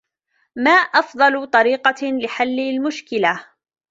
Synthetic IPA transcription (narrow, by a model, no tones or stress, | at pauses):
maːʔɑfd̪ˤɑlt̪ˤɑɾiːqɑlɪħalːɪlmʊʃkɪla